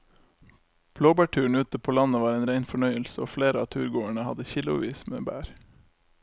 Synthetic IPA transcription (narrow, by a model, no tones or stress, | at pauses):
b̥ʰloːbæːʈʰʉːɳ̩ʉːt̪əpʰoːlɑnəʋɑːɾeːnɾæɪnfɔɳœʏəlsəo̰ːfleːɾəɑːt̪ʰʉːɾɡoːəɳəhɑd̪əçɪlʊ̰ʋḭːsmḛːbæ̰ːɾ